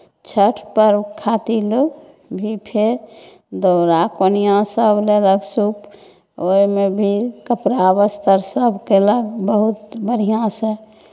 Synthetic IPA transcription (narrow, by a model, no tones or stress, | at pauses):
t͡ʃʰəʈʰpəɾkʰat̪ilo | bʱipʰeɾ | d̪oɾakonijãsəbʱleləɡsup | ojmebʱikəpɾabəst̪ʰəɾsəbʱkeləɡbəɦut̪bəɽ̤ijãsə̃